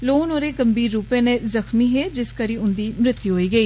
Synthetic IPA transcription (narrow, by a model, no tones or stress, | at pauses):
loːnoːɾeːkəmbiːɾːuːpẽːnẽːzəxmiːɦeːd͡ʒɪskəɾiːʊnd̪iːmɾɪt̪ːjuɦoːiːɡəiː